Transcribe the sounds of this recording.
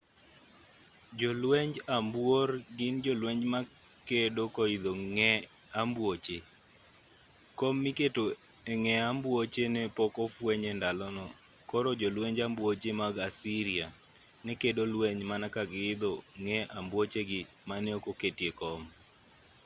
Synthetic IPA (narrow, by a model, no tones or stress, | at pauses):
d͡ʒɔlwɛɲd͡ʒambworɡɪnd͡ʒɔlweɲd͡ʒma | kedokɔɪd̪oŋɛ | ambwot͡ʃe | kɔmːɪketo | eŋɛambwot͡ʃenɛpɔkɔfwɛɲɛndalɔnɔ | kɔɾɔd͡ʒɔlweɲd͡ʒambwot͡ʃemaɡasiɾia | nɛkedolweɲmanakaɡɪɪd̪oŋɛambwot͡ʃeɡɪ | manɛokoketjekɔm